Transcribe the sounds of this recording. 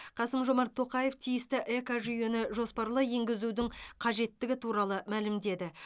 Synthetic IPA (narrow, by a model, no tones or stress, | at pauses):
qʰɑsəmʒo̞mɑɾt̪ʰːo̞qɑje̞ft̪ʰijɪst̪ɪʔe̞kaʒyje̞nɪʒo̞spɑɾlˠəe̞ŋɡʲɪzud̪ɪŋqʰɑʒe̞t̪ːɪɡʲɪt̪ʰuɾɑlˠəmælɪmd̪e̞d̪ɪ